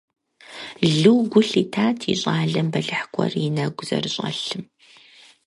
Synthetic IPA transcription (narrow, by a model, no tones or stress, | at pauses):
ɮɨwɡʷʊɬitʰaːtʰḭɕʼaːɮɐmbɐɮɨħkʷʰʼɐ̰rjɪnɐɡʷʊz̥ɐ̰rɕʼɐ̰ɬɨm